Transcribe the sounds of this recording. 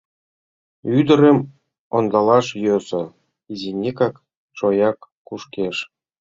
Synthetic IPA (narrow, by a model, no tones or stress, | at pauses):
yd̪ə̆ɾə̆m | ond̪ɑlˠɑʃjøzɤ̆ | izinʲekɑk | ʃojɑkːuʃkʲeʃ